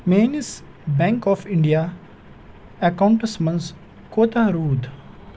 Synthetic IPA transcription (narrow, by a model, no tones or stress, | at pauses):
meːnis | bɛ̃ŋkɔːfɪ̃ɳɖija | ɛkãʊ̃ɳʈəsmɐ̃ns | koːt̪aɾuːd̪